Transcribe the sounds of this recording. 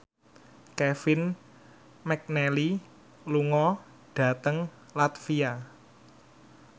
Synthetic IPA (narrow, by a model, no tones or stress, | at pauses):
kɛfɪn | mɛk̚nɛli | luŋɔ | ɖ̥ä̤t̪əŋ | lat̪fia